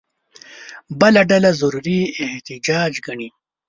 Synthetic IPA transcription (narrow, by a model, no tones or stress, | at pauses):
bəlaɖalazaɾuɾieht̪ɪd͡ʒɑːd͡ʒɡɐɳi